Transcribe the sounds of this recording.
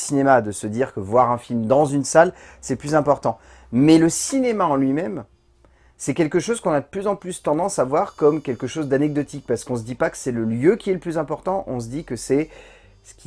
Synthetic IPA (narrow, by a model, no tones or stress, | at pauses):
sinemad̪əsəd̪iʁkəvwaʁɛ̃filmd̪ɑ̃zynsalsɛplyzɛ̃pɔʁt̪ɑ̃ | mɛləsinemaɑ̃lɥimɛm | sɛkʲɛlkəʃozkɔ̃nad̪əplyzɑ̃plyst̪ɑ̃d̪ɑ̃savwaʁkɔmkʲɛlkəʃozd̪anɛɡ̚d̪ɔt̪ik̚paʁsə̥kɔ̃s̬əd̪ipakə̥sɛləljøkʲiɛləplyzɛ̃pɔʁt̪ɑ̃ʔɔ̃s̬əd̪ikəsɛ | sə̥kʲi